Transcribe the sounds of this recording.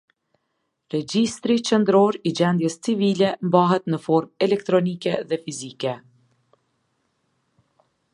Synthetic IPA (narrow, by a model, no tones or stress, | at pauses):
ɾɛd͡ʑist̪ɾit͡ʃənd̪ɾɔɾid͡ʑɛnd̪jɛst͡sivilɛmbaɦɛt̪nəfɔɾmɛlɛk̚t̪ɾɔnikɛðɛfizikɛ